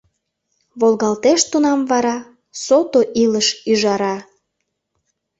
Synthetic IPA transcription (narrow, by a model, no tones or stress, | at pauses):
βolɣɑlt̪eʃt̪unɑmvɑɾɑ | sot̪oʔiləʃyʒɑɾɑ